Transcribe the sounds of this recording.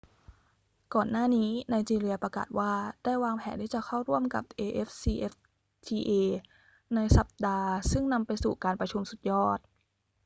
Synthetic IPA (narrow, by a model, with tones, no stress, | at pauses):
kɔː˨˩nːaː˥˩niː˦˥na˧jt͡ɕiː˧ɾi˧ɐpɾa˧ka̰ː˨˩t̪̚waː˥˩d̥aː˥˩jwaː˧ŋpʰɛː˩˦ntʰiː˥˩t͡ɕa˨˩kʰa˥˩wɾu˥˩əmka̰˨˩p̚ʔeː˧ʔe˦˥fsiː˧ʔe˦˥f | t̪ʰiː˧ʔeː˧ | na˧jsa˨˩p̚daː˧sɯ˥˩ŋna˧mpa˧jsuː˨˩kaː˧npɾa˧t͡ɕʰu˧msu˨˩t̪̚jɔː˥˩t̪̚